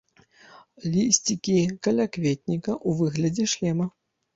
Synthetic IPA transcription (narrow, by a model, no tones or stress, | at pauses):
lʲisʲt͡sʲikʲikɐlʲakvʲet̪ʲnʲikɐʔuvɨɣlʲɐd͡zʲɛʂlʲɛmɐ